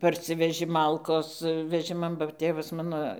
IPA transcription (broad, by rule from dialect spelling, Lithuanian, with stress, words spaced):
pɐrʲˈsʲɪʋʲɛʒʲɪ ˈmɐlˠkoːs ʋʲɛˈʒʲɪmɐn bɐ ˈtʲeːʋɐs ˈmɑːnoː